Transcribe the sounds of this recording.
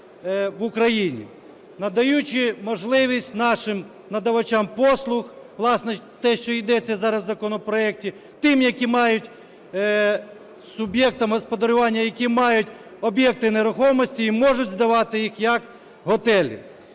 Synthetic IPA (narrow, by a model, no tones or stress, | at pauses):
ʋʊkɾɐjinʲḭ | nɐd̪ɐjut͡ʃɪmɔʒlˠɪʋʲisʲtʲnɑʃɪm | nɐd̪ɐʋɐt͡ʃampɔslˠʊx | ʋlˠɑsnɛt̪ɛʃt͡ʃɔid̪ɛt͡sʲːɐzɑɾɐzzɐkɔnɔpɾɔɛk̚tʲi | t̪ɪmjɐkʲimɑjʊtʲ | sʊbʲjɛk̚t̪ɐmɦɔspɔd̪ɐɾʊʋɑnʲːɐjɐkʲimɑjʊtʲ | ɔbjɛk̚t̪ɪneɾʊxɔmɔsʲtʲiːmɔʒʊdʲzd̪ɐʋɑt̪ɪjixjɐk | ɦɔt̪ɛlʲḭ